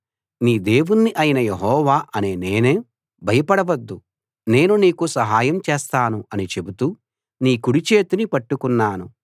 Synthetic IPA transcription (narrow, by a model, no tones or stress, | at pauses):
niːd̪e̞ːʋunːiʔɐjinɐjeɦɔːʋaːʔɐneːne̞ːneː | bʱɐjɐpɐɽɐʋɐd̪ːu | ne̞ːnuniːkusɐɦaːjɐmt͡ʃeːst̪aːnuɐnit͡ʃe̞but̪u | niːkuɽit͡ʃe̞ːt̪inipɐʈːukunːaːnu